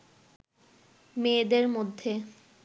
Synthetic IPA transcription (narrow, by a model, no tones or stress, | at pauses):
med̪eɾmod̪ʱːe